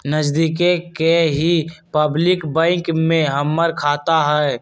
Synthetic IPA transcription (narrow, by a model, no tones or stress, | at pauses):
nəd͡ʒd̪iːkekeɦipəblɪkbɛ̃ːŋkmẽɦəmːəɾkʰaːt̪aɦɛː